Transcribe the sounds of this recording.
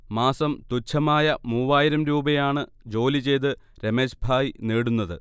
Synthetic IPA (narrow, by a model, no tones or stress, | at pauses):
maːsɐmt̪ut͡ɕʰːɐmaːjɐmuːʋaːjiɾɐmɾuːbɐjaːɳɨ | d͡ʑo̞ːlit͡ɕe̞jt̪̬ɨ | ɾemeɕbʱaːjineːɽunːɐðɨ̰